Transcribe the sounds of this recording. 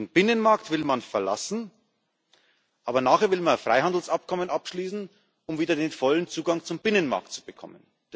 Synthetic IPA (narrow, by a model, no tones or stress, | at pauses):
d̥nb̥ɪnənmaɐktv̥ɪlmanfɛɐla̰sn̩ | ʔaːbɐnaːχeːɐvɪlmanfʁ̥aɪɦhandl̩sʔap̚kʰɔmənapʃliːsn̩ | ʔʊmviːdɐdeːnfɔlənt͡suːɡaŋt͡sʊmbɪnənma̰ɐk̚tt͡su̥bəkʰɔ̰mən̥